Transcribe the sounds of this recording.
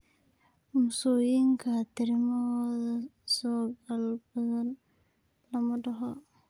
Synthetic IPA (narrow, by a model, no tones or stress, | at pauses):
mʊsujɪŋkʰɐt̪ʰɪɾɪmɐɔðɐsɔːɡɐlbɐðɐn | lɐmɐɖɐɦɔ